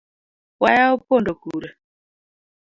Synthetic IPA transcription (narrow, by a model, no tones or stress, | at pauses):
wajaupɔndokuːɾa